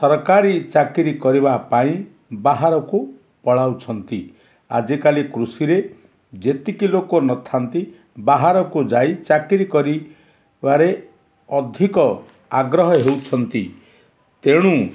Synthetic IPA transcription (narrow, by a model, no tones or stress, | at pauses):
sɔɾkaɾit͡ʃakiɾikɔɾiβapaĩ | baɦaɾɔku | pɔɭawt͡ʃʰɔnt̪i | a̰d͡ʒikalikɾusiɾe | d͡ʒet̪ikilokonɔt̪ʰant̪i | baɦaɾɔkud͡ʒajt͡ʃakiɾikɔɾi | baɾe | ɔd̪ʱikɔ | a̰ɡɾɔɦɔɦewt͡ʃʰɔnt̪i | t̪eɽ̃u